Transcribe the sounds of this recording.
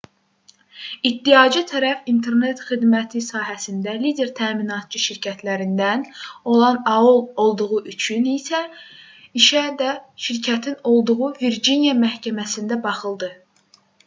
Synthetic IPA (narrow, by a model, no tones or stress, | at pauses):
it̚d̪ijɑd͡ʒɯt̪ʰæɾæfint̪ʰe̞ɾne̞t̪χid̪mæt̪ʰisɑːɦæsind̪ælid̪e̞ɾt̪ʰæːminɑt̪̚t͡ʃʰɯʃiɾcʰæt̪ʰlæɾind̪æno̞lˠɑnɑolˠo̞lˠd̪uɣuʔyt͡ʃʰynisæ | iʃæd̪æʃiɾcʰæt̪ʰino̞lˠd̪uɣuviɾd͡ʒinijɑmæhcʰæmæsind̪æbɑχɯlˠd̪ɯ